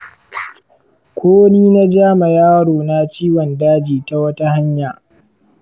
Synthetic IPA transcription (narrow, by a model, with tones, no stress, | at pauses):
kʷoː˦wniː˦na˦d͡ʒaː˦ma˨jaː˦ɽoː˨na˦t͡ʃiː˦wɔ˨ndaː˦d͡ʒiː˨ta˦wɐ˦ta˦ha˦ɲjaː˨